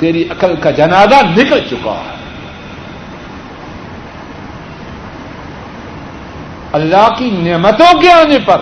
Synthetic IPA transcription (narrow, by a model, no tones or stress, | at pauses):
t̪eːɾiʔɐkəlkad͡ʒɐnaːzanɪkəlt͡ʃʊka̰ɦɛ | ɐlːaɦkineːmət̪õkeaːnepɐɾ